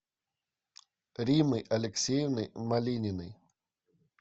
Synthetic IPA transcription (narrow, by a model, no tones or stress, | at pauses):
ɾʲimɨjʔɐlʲeksʲejvnɨmalʲinʲɪnɨj